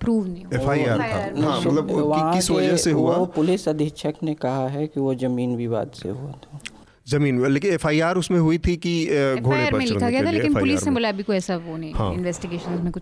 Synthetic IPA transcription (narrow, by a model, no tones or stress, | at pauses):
pɾuːʋnɐĩeːfaːiaːɾtʰa̰nɦãmɐt̪ləbʋɐiɦãkɪsʋɐd͡ʒseɦuaopʊlɪsɐd̪ʱit͡ʃʰəknekɐɦaɦɛkiʋod͡ʒɐmiːnʋʱiʋa̰ːd̪sḛɦua̰t̪ʰa | zɐmiːnleːkɪ̃nefʰaːiaːɾʊsmẽɦuit̪ʰikiɡʱoːɾeɾpɐẽllɪkʰaɡɐjat̪ʰaeɪnːʊlisẽbɐlabʱikoɛːsaʋonĩhã̰ːɪnʋɛːsʈɪɡeːʃə̃nzmẽkʊt͡ʃʰ